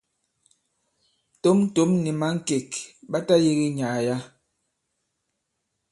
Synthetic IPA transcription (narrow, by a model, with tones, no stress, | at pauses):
to˦m̩˦to˨˦mni˨ma˦ŋ̩˦ke˨kɓa˦ta˦je˦ɣi˦ɲa˨ja˦